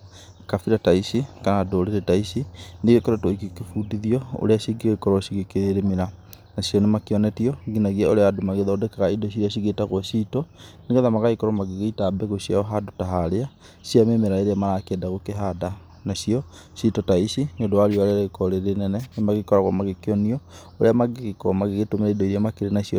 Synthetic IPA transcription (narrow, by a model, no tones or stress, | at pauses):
kafiɾataisikanadoːɾeɾetaisineɣekɔɾɔtɔikekefudiðiɔo̰ɾeaʃiɡiɣakɔɾɔɕiɣekeɾeɾemeɾa | naɕiɔnemakeɔnɛtiɔɡinaɣiaoɾeadomaɣeðaodɛkɛɣaidoɕ̬iɾeaɕ̬iɣetaɣwɔʃiːtɔneɣɛðamaɣaikɔɾɔmaɣeɣeitabɛɣoɕiaɔɦadotaɦaɾea | ɕiamemeɾaeɾeamaɾakɛːdaɣokeɦada | naɕiɔ | ʃitɔtaiɕinodowaɾiɔaɾeaɾeikɔɾeɾenɛnɛnemaɣekɔɾaɣɔ̰maɣekeɔniɔ | oɾeamaɡeɣekɔ̰maɣeɣetomeɾaidɔiɾiamakeɾenaɕiɔ